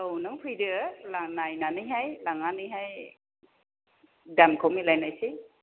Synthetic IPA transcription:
ownɯŋpʰɯjdɯlanajnanɯjɦajlaŋanɯjɦaj | damkʰomilajnajsi

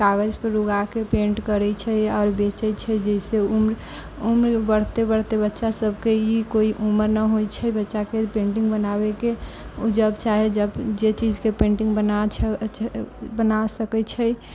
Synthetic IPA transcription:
kaɡəd͡ʒpəɾɾuɡakepẽɳʈkəɾɛt͡ʃʰəɔːɾbet͡ʃɛt͡ʃʰəd͡ʒɛɪseumɾ | umɾbəɽ̤t̪ebəɽt̪ebətːʃasəbkeikoiʔuməɾnəɦojt͡ʃʰəbətːʃakepẽɳʈiŋɡbənabekeud͡ʒəbt͡ʃaɦed͡ʒəbd͡ʒet͡ʃid͡ʒkepẽɳʈĩŋɡbəna | bənasəkɛt͡ʃʰəj

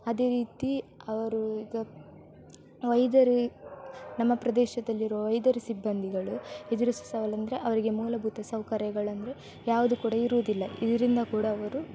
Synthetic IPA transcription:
ɐd̪e̞ːɾiːt̪iɐʋɐɾuiːɡɐ | ʋɐjd̪ɐɾi | nɐmːɐpɾɐd̪ɛːʃɐd̪ɐlːiɾuʋɐʋɐjd̪ɐɾusibːɐnd̪ʱiɡɐɭued̪iɾusɐ̥sɐʋɐlɐnd̪ɐɾe̞ʔɐʋɐɾiɡe̞muːlɐbʱuːt̪ɐsɐwkɐɾjɐɡɐɭɐnd̪ɐɾe̞ | jaːʋud̪ukuːɽɐiɾuʋd̪ilːɐid̪ɐɾind̪ɐkuːɽɐːʋɐɾu

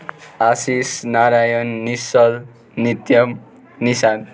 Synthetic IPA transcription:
asisnaɾajʌnːisʌl | nit̪jʌmː | isan

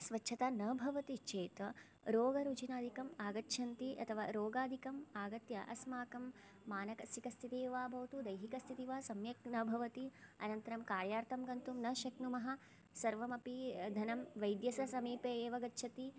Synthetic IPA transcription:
sʋɐtːʃʰɐt̪aːnɐːbʱɐʋɐt̪it͡ʃeːt̪ɐ | ɾoːɡɐɾut͡ʃinaːd̪ʱikɐmaːɡɐtːʃʰɐnt̪iʔɐ̰t̪ʰɐʋaːɾoːɡaːd̪ʱikɐmaːɡɐt̪jɐ̰ʔɐ̰smaːkɐmː | aːnɐkɐsikɐst̪ʰit̪eːʋaːbʱɐʋt̪ud̪ɐjɦikɐst̪ʰit̪iʋaːsɐmjɐknɐːbʱɐʋɐt̪iɐ̰nɐnt̪ɐɾɐmkaːɾjaːɾt̪ʰɐmɡɐnt̪umnɐʃɐknumɐɦɐ | sɐɾʋɐmɐpid̪ʱɐnɐmʋɐjd̪jɐsɐsɐmiːpeːeːʋɐɡɐtːʃʰɐt̪i

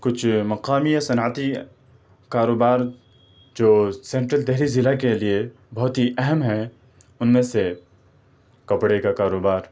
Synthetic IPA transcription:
kʊt͡ʃʰmɐqaːmijasɐnət̪i | kaːɾoːbaːɾ | d͡ʒoːsẽːɳʈɾəlt̪ɛɦɾizɪlakelie | bɔɦt̪ɦiʔɛɦɛmɦɛ | ʊnmẽse | kɐpɽekakaːɾoːbaːɾ

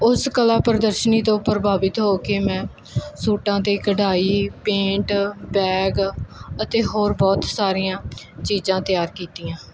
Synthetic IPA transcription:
ʊskəlaːpəɾəd̪əɾʃəniːt̪õːpəɾəbaːʋɪt̪ɦoːkeːmɛ̃ː | suːʈãːt̪eːkəɖaːiːpẽːɳʈbɛːɡət̪eːɦoːɾbɔːt̪saːɾijãː | t͡ʃiːzãːt̪ɪjaːɾkiːt̪iːãː

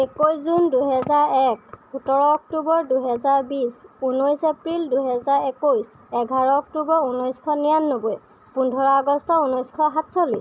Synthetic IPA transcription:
ekojszunduɦɛzaɹɛkutɔɹɔɔk̚tubɔɹduɦɛzaɹbisunɔjsepɹilduɦɛzaɹekojs | ɛɡʱaɹɔɔk̚tubɔɹunɔjskʰɔnijanːoboj | pundʱɔɹaaɡɔstɔunɔjskʰɔɦatsolis

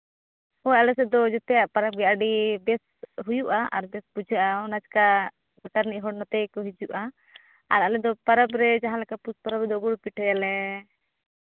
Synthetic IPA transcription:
hɔjalɛsɛd̪ɔd͡ʒɛt̪ɛjaʔpaɾab̚ɡɛaɖibɛs | ɦujuʔaʔaɾbɛsbud͡ʒʱəʔaɔnad͡ʒka | aʈaɾniʔɦɔɽnɔt̪ɛkɔɦid͡ʒuʔa | aɾalɛd̪ɔpaɾabɾɛd͡ʒaɦãlɛkapuspaɾabɛd̪ɔɡuɽpiʈʰɛjalɛ

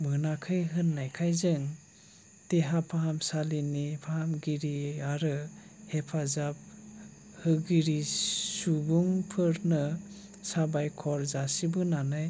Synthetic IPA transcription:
mɯnakʰɯjɦɯnːajkʰajzɯŋ | teɦapʰaɦamsalinipʰaɦamɡiɾiaɾɯ | hepʰazap̚ | hɯɡiɾisuɡuŋpʰɯɾnɯ | sabajkʰɔɾzasibɯnanɯj

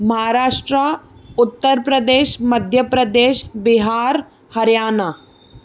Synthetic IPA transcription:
mɐɦaːɾaːʃʈɾəʊt̪ːəɾpɾəd̪eːʃmɐd̪ʱjəpɾɐd̪eːʃbɪɦaːɾ | hɐɾjaːna

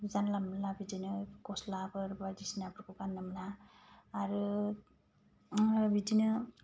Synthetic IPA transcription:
bizanlamalabidinɯɡɔslakɯɾbadisnaapɾɯkɔkanːɯmnaː | ɾɯ | bidinɯ

